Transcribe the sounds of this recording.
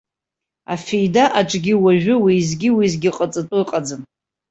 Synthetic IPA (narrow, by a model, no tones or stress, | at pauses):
a̰fejdaʔaʈ͡ʂʼɡʲiwaʒᶣʊwizɡʲɪwizɡʲɪqʼat͡sʼɨtʼɨqʼad͡zɨn